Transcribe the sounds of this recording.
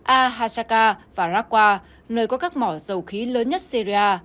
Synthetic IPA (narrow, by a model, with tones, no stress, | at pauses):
ʔaː˧ɦaː˧saː˧kaː˧vaː˨˩zaː˦˥k̚kwaː˧ | nəː˧jkɔ˨˦kaː˦˥k̚mɔ˧˩zə˨˩wxi˨˦ləː˨˦nɲə˦˥t̚si˧zi˧aː˧